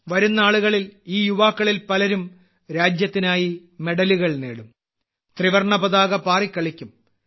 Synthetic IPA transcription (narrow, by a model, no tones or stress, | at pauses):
ʋɐɾunːɐaːɭuɣɐɭiliːjuʋaːkːɐɭilpɐlɐɾum | ɾaːd͡ʑjɐt̪ːinaːjime̞ɽɐluɣɐɭneːɽum | t̪riʋɐrɳɐbɐðaːɣɐpaːrikʲːɐɭikʲːum